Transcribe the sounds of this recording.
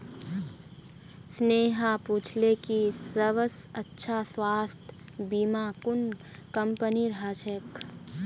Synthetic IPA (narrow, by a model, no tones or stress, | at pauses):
sneːɦapuːt͡ʃʰlekisəʋəsətːʃʰaswaːst̪ʰbiːmakʊnkəmpəniɾɦat͡ʃʰek